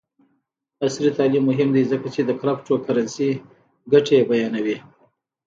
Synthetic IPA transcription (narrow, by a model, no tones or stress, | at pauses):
asɾit̪ɑlimːʊɦɪmd̪izəkat͡ʃed̪əkɾapʈokaɾansi | ɡaʈebajɑnawi